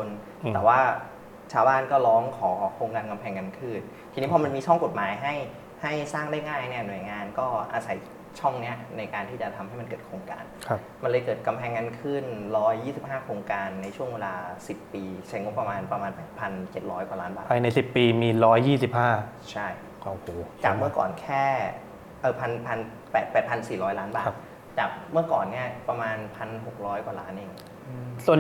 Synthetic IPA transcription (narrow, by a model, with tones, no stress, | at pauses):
o˧n | tɛː˨˩waː˥˩ | t͡ɕʰaː˧wbaː˥˩nkɔː˥˩lɔː˦˥ŋkʰɔː˩˦kʰoː˧ŋkaː˧nka˧mpʰɛː˧ŋːa˧nkʰɯ˥˩nʰiː˧niː˦˥pʰɔ˧ma˧nmiː˧t͡ɕʰɔ˥˩ŋko˨˩t̪̚maː˩˦jɦa˥˩j | ha˥˩jsaː˥˩ŋdaː˥˩jŋaː˥˩jni˥˩ɐnu˨˩əjŋaː˧nkɔː˥˩ʔa˧sa˨˩˦j | t͡ɕʰɔ˥˩ŋni˦˥ɐna˧jkaː˧nt̪ʰiː˥˩t͡ɕa˨˩t̪ʰa˧mha˥˩jma˧nkɤː˨˩t̪̚kʰɾoː˧ŋka̰ː˧nkʰa˦˧ | ma˧nlɤː˧jkɤː˨˩t̪̚ka˧mpʰɛː˧ŋːaː˧nkʰɯ˥˩nɾɔː˦˥jːiː˥˩si˨˩p̚ɦaː˥˩kʰoː˧ŋkaː˧nːa˧jt͡ɕʰu˥˩əŋweː˧laː˧si˨˩pːiː˧t͡ɕʰa˦˥˩jŋo˦˥pːɾa˧maː˧npɾa˧maː˧npɛː˨˩t̪̚pʰa˧nt͡ɕe˨˩t̪̚ɾɔː˦˥jkwa˨˩laː˦˥nbaː˨˩pʰa˧jna˧jsi˨˩pːiː˧miː˧ɾɔː˦˥jːiː˥˩si˨˩p̚haː˥˩ | t͡ɕʰa˥˩j | o˨˩hoː˨˩t͡ɕaː˨˩k̚mɯ˥˩ɐkɔ̰ː˨˩nkʰɛː˥˩ | ʔɤː˨˩pʰa˧npʰa˧n | pɛː˨˩t̪̚pɛː˨˩t̪̚pʰa˧nsiː˨˩ɾɔː˦˥jlaː˦˥nba̰ː˨˩˦t̪ | t͡ɕaː˨˩k̚mɯ˥˩ɐkɔː˨˩nːi˥˩ɐpɾa˧maː˧npʰa˧nɦo˨˩k̚ɾɔː˦˥jkwa˨˩laː˦˥nʔeː˧˩ŋː˧ | su˨˩ən